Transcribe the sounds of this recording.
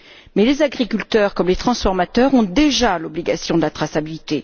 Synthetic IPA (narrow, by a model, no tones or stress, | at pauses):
mɛlezaɡʁikʲylt̪œʁkɔmlet̪χɑ̃sfɔʁmat̪œʁɔ̃d̪eʒalɔbliɡasjɔ̃d̪əlat̪χasabilit̪e